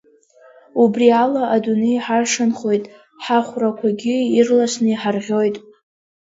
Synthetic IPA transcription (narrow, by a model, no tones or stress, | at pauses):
ubrialaʔadunejħarʂanχo̞jtʼ | ħaχʷrakʷʰaɡʲɪirlaʃnɨiħarʁʲo̞jtʼ